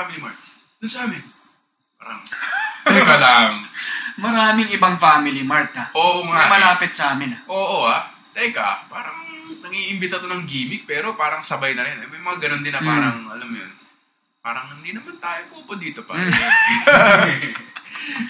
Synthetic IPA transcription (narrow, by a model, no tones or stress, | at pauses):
amɪlimaɹt̪̚ | d̪ʊnsɐʔaːmɪn | paːɾɐŋtɐjkɐlaŋmɐɾaːmɪŋɪbɐŋfaːmɪlimaɹt̪aʔoːʔomɐamɐlaːpɪt̪̚sɐʔaːmɪnɐʔoːʔoha | t̪ɛjkɐ̰paːɾɐŋŋnɐŋiːʔɪmbɪt̪ɐt̪onɐŋɡiːmɪk̚pɛːɾo̞paːɾɐŋsɐbajnɐɾɪnʔɐjmɐjmɐŋaɡɐnond̪ɪnɐpaːɾɐŋʔɐlamjo̰n | paːɾɐŋhɪnd̪iːnɐmant̪aːjopuːpod̪iːt̪o̞pa̰